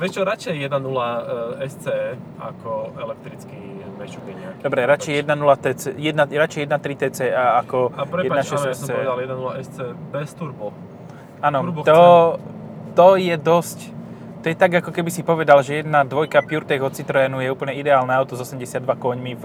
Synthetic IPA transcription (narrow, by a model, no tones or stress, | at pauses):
ʋɛʃt͡ʃɔɾat͡ʃɛjjɛd̪nanulaɛst͡sɛ | a̰kɔɛlɛk̚t̪ɾit͡skimɛʃubɛɛakd̪ɔbɾɛɾat͡ʃɛjjɛd̪nanulat̪ɛt͡sɛjɛd̪naɾat͡ʃɛjjɛd̪nat̪ɾit̪ɛːt͡sɛːʔaakɔpɾɛjɛdpaaʃɛsst͡sɛɔʋɛd̪aljɛd̪nanulaʔɛst͡sɛbɛst̪uɾbu | aːnɔuɾbt̪ɔ | t̪ɔjɛd̪ɔsc | t̪ɔjɛt̪aɡakɔkɛbisipɔʋɛd̪alʒɛjɛd̪nad̪ʋɔjkapjuɾt̪ɛɣɦɔt͡sːit̪ɾɛːnujɛuːpl̩ɲɛid̪ɛaːlnɛaʊt̪ɔzɔsɛmɟɛsɪad̪ʋakɔɲmiv